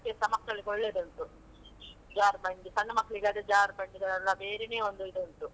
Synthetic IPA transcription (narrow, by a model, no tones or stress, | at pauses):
kːesɐmɐkːɐɭiɡoɭːed̪ɐnt̪u | d͡ʒaːɾbɐɳɖ̪isɐnːɐmɐkːɐɭiɡaːd̪ed͡ʒaːɾpɐɳɖid̪ɐɾɐlːɐbe̞ːɾeneːond̪uid̪ɐnt̪u